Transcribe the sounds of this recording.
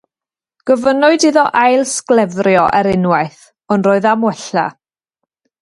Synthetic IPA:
ɡ̥əvənʊɨdiðɔʔajlˠsklˠɛvrjɔʔɛɾɪnwajθ | ɔnroːɨðamwɛɬa̰

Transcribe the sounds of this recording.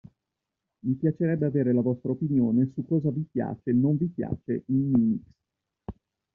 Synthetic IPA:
mipjat͡ʃeɾɛbːeaveːɾelavɔst̪ɾaopinjoːnesukːɔːzavipja̰ːt͡ʃenoɱvipja̰ːt͡ʃḛinːiːmiks

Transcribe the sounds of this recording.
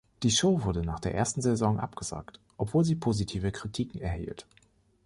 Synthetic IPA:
d̥iːʃoʊvʊɐdənaːχd̥eːɐʔeːɐstn̩zɛzɔŋʔa̰pɡ̥əz̥a̰ːktʔɔpv̥oːlziːpʰoːzitʰiːvəkʁ̥itʰiːkŋ̩ɛɐhḭːlt

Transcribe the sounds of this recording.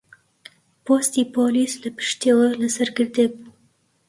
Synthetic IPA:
poːst̪ipolisləpɨ̥ʃt̪eːwələsɐɾɡɨɾd̪ebu

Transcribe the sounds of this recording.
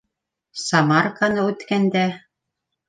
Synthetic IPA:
sɑmɑrkanɤʉt̪kænd̪æ

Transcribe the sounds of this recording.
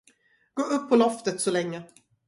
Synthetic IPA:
ɡ̥oːʔɵpʰːɔlɔft̪ət̪sɔlɛŋːə

